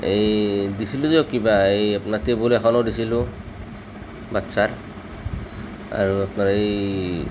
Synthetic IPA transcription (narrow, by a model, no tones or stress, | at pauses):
ejdisiluzɔkibaejapnatebulɛxɔnɔdisilʊ | batsaɹ | a̰ɹuapnaɹej